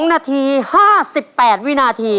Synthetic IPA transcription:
ŋnaː˧t̪ʰiː˧haː˥˩si˨˩pːɛː˨˩t̪̚wi˦˥naː˧t̪ʰiː˧

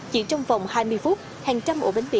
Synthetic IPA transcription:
t͡ɕḭ˧˥t͡ɕɔ˧wŋ͡mvɔ˨˩wŋ͡mhaː˧jmɨ˧əjfu˦˥t̚ | haː˨˩ŋt͡ɕa˧mʔu˧˩ɓe˨˦ŋ̟ɓḭ˧˨

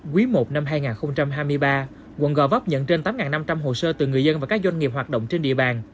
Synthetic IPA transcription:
kwi˨˦mo˨˩t̚na˧mɦaː˧jŋaː˨˩nxə˧wŋ͡mt͡ɕa˧mɦaː˧jmɨ˧əjɓaː˧ | wə̰˧˨nɣɔ˧˩vɔ˦˥p̚ɲə̰˧˨nt͡ɕe˧nt̪aː˨˦mŋaː˨˩nːa˧mt͡ɕa˧mɦo˨˩səː˧t̪ɨ˨˩ŋɨ˨˩əzə˧nvaː˨˩kaː˦˥k̚zwa˧jŋ̟ŋi˨˩p̚ɦwaː˨˩t̚ɗo̰˧˨wŋ͡mt͡ɕe˧nɗḭ˧˨əɓaː˨˩n

